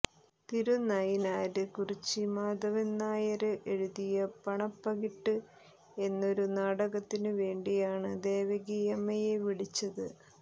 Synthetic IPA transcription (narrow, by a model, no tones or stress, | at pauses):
t̪iɾunajinaːɾɨkurit͡ɕːɨmaːd̪ɐʋɐnːaːjɐɾɨʔe̞ɻuðijɐpɐɳɐpːɐɣiʈːɨ | e̞nːo̞ɾunaːɽɐɣɐt̪ːinɨʋe̞ːɳɖijaːɳɨd̪e̞ːʋɐɣiːjɐmɐjeʋiɽit͡ɕːɐðɨ